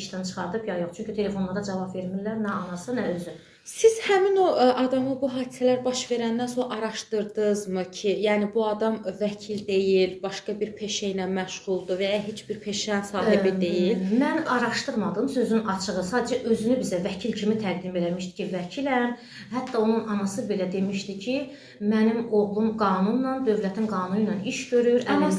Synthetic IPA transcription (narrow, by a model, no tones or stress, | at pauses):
iʃt̪ænt͡ʃʰɯ̥χɑɾd̪ɯpjɑjoχt͡ʃʰyɲcʰyt̪ʰe̞le̞fo̞nlˠɑɾɑd͡ʒɑvɑbve̞ɾminlæɾnæɑnɑsɑnæøzy | siz̥hæmino̞ʔɑd̪ɑmɯbuɦɑːd̪i̥sælæɾbɑʃve̞ɾænd̪ænso̞ɾɑʔɑɾɑʃt̪ɯɾd̪ɯzmɯcʰijæːnibuɑd̪ɑmvæcʰild̪e̞jilbɑʃkɑbiɾpʰe̞ʃejnænmæʃʁ̥ulˠd̪uvæjɑɦet͡ʃbiɾpʰe̞ʃænsɑːɦiid̪e̞jilmænɑɾɑʃt̪ɯɾmɑd̪ɯmsø̞zynnɑt͡ʃʰɯʁɯsɑːd̪æd͡ʒæʔø̞zynybizævæcʰilcʰimit̪ʰæɡ̚d̪ime̞læmiʃt̪i̥cʰivæcʰilæn | hæt̪ʰːɑo̞nunɑnɑsɯbe̞læd̪e̞miʃt̪icʰi | mænimoʁlˠumɡɑːnunːɑnd̪ø̞vlæt̪ʰimɡɑːnunujnɑniʃɟø̞ɾyɾɑmɑ